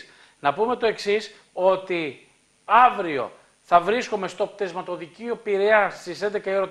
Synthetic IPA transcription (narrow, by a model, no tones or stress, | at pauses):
nɐpume̞t̪o̞e̞ksis | o̞t̪i | ɐvɾio̞̰ | θɐvɾiskome̞st̪opt̪ezmɐt̪o̞ðiciopiɾeɐst̪ise̞nd̪e̞kɐiɾo